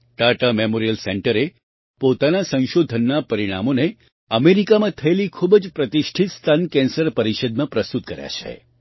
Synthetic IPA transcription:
ʈaʈamemoɾijəlseɳʈəɾe | pot̪anasə̃ʃod̪ʱənːapəɾiɽ̃a̰mone | əmeɾikamãt̪ʰəelikʰubd͡ʒpɾət̪iʃʈʰit̪st̪ʰankɛ̃nsəɾpəɾiʃəd̪̚mãpɾəst̪ut̪̚kəɾja̰t͡ʃʰḛ

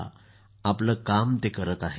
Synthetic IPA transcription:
apləkamt̪ekəɾət̪aɦe

